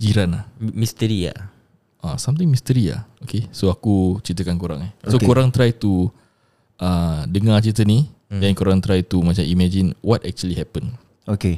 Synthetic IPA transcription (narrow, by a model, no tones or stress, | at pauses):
d͡ʒiɾanahmist̪əɾia̰ | a̰samt̪ɪ̃ŋmist̪əɾia̰okesoakut͡ʃit̪əkankoɾa̰ŋɛhsokoɾaŋt̪ɾajt̪u | ədəŋat͡ʃit̪ənidɛnkoɾaŋt̪ɾajt̪umat͡ʃamimɛd͡ʒinwʔɔtɛk̚t͡ʃuəlihɛpən | oke